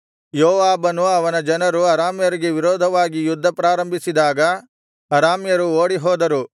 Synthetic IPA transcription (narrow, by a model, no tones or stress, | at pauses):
joːʋaːbɐnuɐʋɐnɐd͡ʒɐnɐɾuɐɾaːmjɐɾiɡe̞ʋiɾɔːd̪ʱɐʋaːɡijud̪ʱːɐpɾaːɾɐmbʱisid̪aːɡɐ | ɐɾaːmjɐɾuoːɽiɦɔːd̪ɐɾu